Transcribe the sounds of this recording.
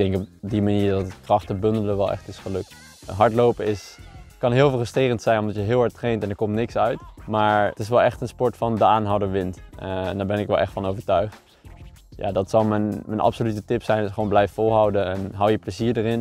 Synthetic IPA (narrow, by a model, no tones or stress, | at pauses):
ɡ̚d̥ɛŋkɔpdimaniːɹdɑtət̚krɑχtəbɵndələʋɛlˠʔɛ̰χtɪsχəlɵk̚t | ɦɑɹtlowpəɪskɑnɦɪːlˠfrəstrɪːrəntsɛjnɔmdɑtjəɦɪːlˠɦɛɹtrejntɛnəɹkɔmtnɪksœɥtmaːɹtɪs̬ʋɛlˠɛχtənspɔɹtfɑndəaːnɦawdəɹʋɪntndaːɹbɛnɪkʋɛlˠʔɛ̰χtfɑnowvəɹtœɥχt | ja̰ːdɑtsɑlˠmənmənɑ̰psolytətɪpsɛjnɪsəʋownblɛjffolˠɦɑwdəɛnɦɑwjəpləziːɹdərɪn